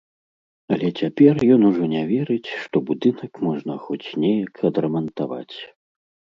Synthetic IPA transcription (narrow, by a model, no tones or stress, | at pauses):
ɐlʲɛt͡sʲapʲɛrjɔnuʐɔnʲɛvʲɛɾɨt͡sʲʂt̪ɔbud̪ɨnɐkmɔʐnɐxɔt͡sʲnʲɛjɐkʰɐd̪ɾɐmɐnt̪ava̰t͡sʲ